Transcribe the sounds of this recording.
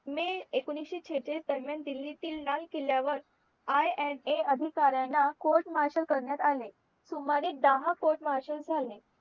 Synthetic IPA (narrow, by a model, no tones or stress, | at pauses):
miːekuniɕit͡ɕʰet͡ɕesd̪əɾmjand̪ilːit̪iːlnalkeljaʋəɾ | ajɛɳeəd̪ʱikaɾjanːakoɾʈməɦaɕəlkəɾɳjat̪ale | sumaɾiːd̪əɦakoɾʈməɦaɕəld͡zʱale